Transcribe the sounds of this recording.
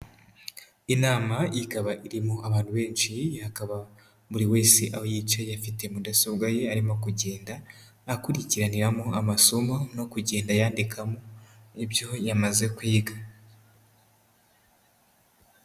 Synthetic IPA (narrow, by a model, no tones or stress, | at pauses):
inaːmajikaβaʔiɾimoaβaːntuβe̞ːnt͡ʃihakaβa | βuɾiwe̞ːseʔawojit͡ʃejafite̞mudasoβɡaje̞aɾimo̞kuɟe̞ːndaː | kuɾiciɾaniɾamoamasomo̞no̞kuɟe̞ːndajaːndikʰamoebjo̞jamaze̞kwiːɡa